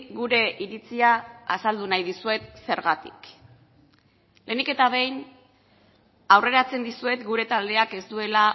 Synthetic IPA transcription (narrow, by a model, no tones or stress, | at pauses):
ɣuɾe̞ʔiɾit͡siaa̰sald̪unajðisue̞t̪se̞ɾɣat̪ik | le̞nike̞t̪aβ̞e̞jn | awre̞ɾat͡se̞nd̪isue̞t̪ɡuɾe̞t̪ald̪e̞ake̞zt̪ue̞la